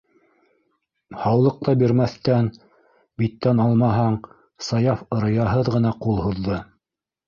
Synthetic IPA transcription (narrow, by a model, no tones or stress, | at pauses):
hɑwlˠɤ̆q̚t̪ɑbiɾmæθt̪æn | bit̪ːænɑlˠmɑɦɑɴ | sɑjɑfɤ̆ɾɤ̆jɑɦɤðʁɤ̆nɑqulˠhuðːɤ